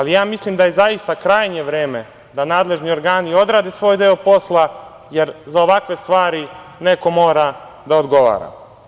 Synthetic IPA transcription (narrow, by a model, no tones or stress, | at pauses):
alijaːmislimd̪aje̞zajist̪akɾaːjɲe̞ʋɾe̞ːme̞ | d̪anaːd̪le̞ʒnio̞ɾɡaːnio̞d̪ɾaːd̪esʋoːjd̪eːopo̞slˠa | je̞ɾzao̞ʋakʋe̞st̪ʋaːɾine̞ko̞mo̞ːɾa | d̪aod̪ɡo̞ʋa̰ːɾa̰